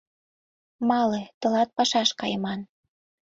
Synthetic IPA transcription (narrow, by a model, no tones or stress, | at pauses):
mɑlet̪ɤ̆lɑt̪̚pɑʃɑʃkɑjəmɑn